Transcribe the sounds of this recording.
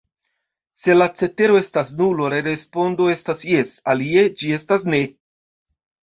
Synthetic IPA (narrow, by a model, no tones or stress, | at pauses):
se̞lat͡se̞te̞ɾo̞e̞stasnulo̞ɾe̞ɾe̞spo̞ndo̞e̞stasje̞salie̞d͡ʒie̞stasne̞